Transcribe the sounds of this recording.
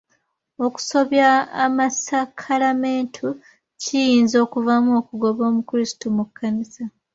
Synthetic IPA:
o̞ku̥so̞βjaːmasakʰalame̞ːntʰu | cijiːnzo̞ːkuvamuo̞kuɡo̞βo̞ːmukuɾistumukʰːanisa

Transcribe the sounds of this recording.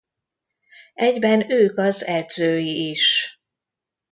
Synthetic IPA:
ɛɟbɛnøːkɒzɛd̪zøːjiiʃ

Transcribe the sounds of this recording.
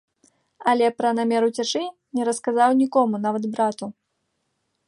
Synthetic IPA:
ɐlʲɛpɾɐnamʲɛɾut͡sʲat͡ʂɨ | nʲɛɾɐskazawnʲikɔmunavɐd̪bɾat̪u

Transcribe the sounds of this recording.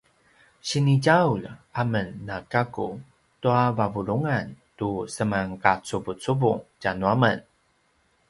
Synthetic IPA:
ɕiniɟaulamənːakaku | tuavavuɾuŋantusəmaŋkat͡subut͡subuŋcanuamə̰n

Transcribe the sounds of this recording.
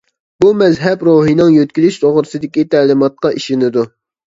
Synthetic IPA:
bumɛzɦɛpɾoɦijnɨŋjøt̪̚kʲilyʃt̪ʰoʁɾɨsɨd̪ɪkʲit̪ʰɛːlˠɪmɑt̪̚qɑʔiʃinɪd̪u

